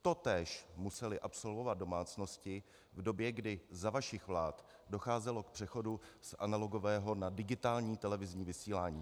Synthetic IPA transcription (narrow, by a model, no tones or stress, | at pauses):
t̪o̞t̪ɛːʃmusɛlɪʔapso̞lvo̞vat̪̚do̞maːt͡sno̞scɪ | vdo̞bjɛɡdɪzavaʃɪxvlaːt̪ | do̞xaːzɛlo̞k̚pr̝̥ɛxo̞dusʔa̰nalo̞ɡo̞vɛːɦo̞nadɪɡɪt̪aːlɲiːt̪ɛlɛvɪzɲiːvɪsiːlaːɲiː